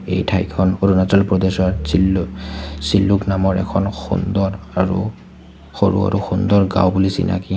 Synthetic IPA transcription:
ḛjtʰajkʰɔnoɾunatalpɹɔd̪ɛsɔaɹsil | silːuknamɔɹɛ̰kʰɔnxṵnd̪ɔɹaɹṵ | xoɹṵa̰ɹuxund̪ɔɹɡa̰wbulisḭna̰ki

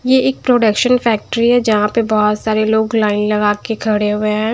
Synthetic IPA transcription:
jeʔɪːk̚pɾoːɖəkʃənfɛːk̚ʈɾiɦɛd͡ʒɐɦãpebɔːɔt̪saːɾeloːɡlaːɪnlɐɡaːkekʰɐɽeɦʊeɦɛ̃ː

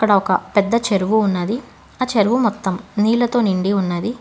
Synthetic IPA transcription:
ɐkːɐɽɐɔkɐpɛd̪ːɐt͡ʃeɾuʋuːnːɐd̪i | aːt͡ʃeɾʋumɔt̪ːɐmniːlɐt̪o̞ːniɳɖiunːɐd̪i

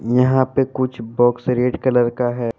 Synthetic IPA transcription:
jɐɦãpekʊt͡ʃʰbɔːksɾeːɖkɐləɾkaɦɛː

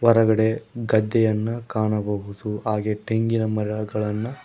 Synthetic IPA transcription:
ʋɐɾɐɡɐɽe̞ɡɐd̪ːɛjɐnːɐkaːɳɐbɐɦud̪uɦaːɡeʈeŋɡinɐmɐɾɐɭɐɡɐɭɐnːɐ

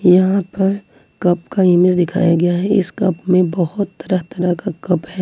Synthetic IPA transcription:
jɐɦãpɐɾ | kɐpkaɪmɪzd̪ɪkʰa̰ːjaɡɐjaɦɛɪ̰skɐpmẽbɐhʊt̪ːɐɾəɦt̪ɐɾakakɐphɛː

